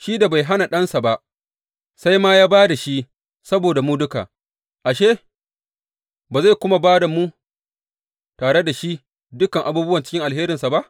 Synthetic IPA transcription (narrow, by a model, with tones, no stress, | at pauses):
ʃiː˦da˨ba˨jɦa˦na˨ɗɐ˦nsa˨ba˦ʔ | sa˦jmaː˦jaː˦baː˦da˨ʃi˦ | sɐ˦boː˨da˨mu˦dʊ˦ka̰˨ | ʔa˨ʃe˦ | ba˨za˦˨jkʷʊ˦ma˨baː˦da˨mu˦ | taː˨ɽe˦da˨ʃi˦ | dʊ˦kɐ˨ŋʔa˨buː˦bʊ˦wɐ˨nt͡ʃɪ̥˦kʲɪ˦ŋʔa˨lɦeː˦ɾɪ˨nsa˨ba˦ʔ